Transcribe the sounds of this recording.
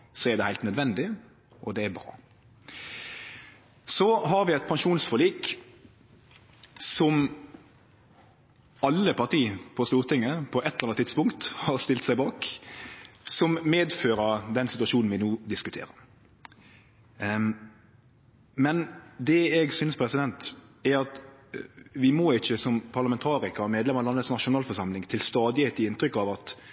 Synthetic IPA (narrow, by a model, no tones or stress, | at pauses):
sɔæɾd̪ɛhæɪlt̪nœd̪ʋɛnd̪ɪ | ʔɔd̪ɛæbɾɑ̰ː | sɔɦɑɾʋɪɛt̪̚pʰɑŋʃuːnsfɔliːk | sɔm | ɑlːəpɑʁt̪iːpʰɔst̪uːʁt̪ɪŋːəpʰɔʔɛt̪ːlɑnt̪ʰɪd̪spʊŋkt̪hɑɾst̪ɪlt̪sæɪbɑːk | sɔmmeːd̪føːɾəɾd̪ɛnsɪt̪ʉɑʂuːnn̩ʋɪnuːd̪ɪskʉt̪ʰḛːɾəɾ | mɛnd̪ɛɛɡsynspʰɾɛsɪd̪ɛnt̪ɛɾɑt̪ | ʋɪmɔɪçːəsɔmpʰɑʁlɑmɛnt̪ʰɑːɾɪkɑmeːd̪lɛmɑlɑnətsnɑʃʊnɑːlfɔʂɑmlɪŋt̪ʰɪlst̪ɑːd̪ɪheːt̪ɪɪnt̪ɾʏkːɑʋɑt̪